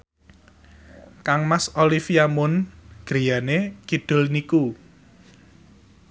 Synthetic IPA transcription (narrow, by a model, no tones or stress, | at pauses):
kaŋmasolifiamʊnɡ̥ɾi̤janekid̪̥ʊ̤lniku